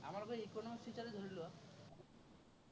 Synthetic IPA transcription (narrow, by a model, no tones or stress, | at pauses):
a̰maɾkoikonsit͡ʃaɾed̪ʱoɾiloa